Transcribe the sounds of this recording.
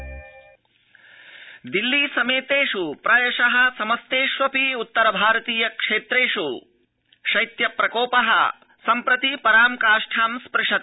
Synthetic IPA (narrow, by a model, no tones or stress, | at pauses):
d̪ilːiːsɐmeːt̪eːʂupɾɐjɐʃɐɦɐ̆sɐmɐst̪eːʃʋɐpiut̪ːɐɾɐbʱaːɾɐt̪iːjɐkʂeːt̪ɾeːʂu | ʂɐjt̪jɐpɾɐkoːpɐɦɐ̰ | sɐmpɾɐt̪ipɐɾaːmkaːʂʈʰaːmspɾɪʂɐt̪